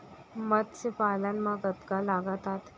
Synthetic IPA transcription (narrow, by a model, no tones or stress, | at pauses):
mət̪̚sepalanmaɡət̪kalaɡat̪at̪